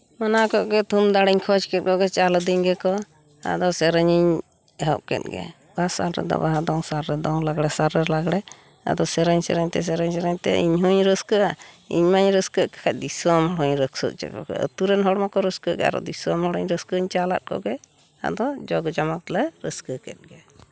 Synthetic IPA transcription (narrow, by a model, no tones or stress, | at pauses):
manakɔʔɡɛt̪ʰumd̪aɽɛɲkʰɔd͡ʒkɛt̪̚kɔɡɛt͡ʃald̪iɲɡɛkɔ | a̰d̪ɔsɛɾəɲəɲ | ɛɦɔʔkɛ̰t̪̚ɡɛ̰ | basa̰lɾɛ̰d̪ɔ̰baɦad̪ɔŋsaɾːɛd̪ɔŋlaɡɽɛsaɾːɛlaɡɽɛ | a̰d̪ɔsɛɾəɲsɛɾəɲt̪ɛs̬ɛɾəɲsɛɾəɲt̪ɛ̰ʔḭɲɦuɲɾəskəʔa | ḭɲmaɲɾəskəʔkḁkʰac̚d̪isɔmɦɔɽɔɲɾəksə̰ʔ̚t͡ʃɛ̰kɔ̰ɡɛ̰ə̰t̪uɾɛnɦɔɽmakɔɾəskəʔɡɛa̰ɾɔ̰d̪isɔmɦɔɽəɲɾəskəɲt͡ʃala̰t̪̚kɔ̰ɡɛ | a̰d̪ɔd͡ʒɔɡd͡ʒamak̚t̪lɛɾəskəkɛt̪̚ɡɛ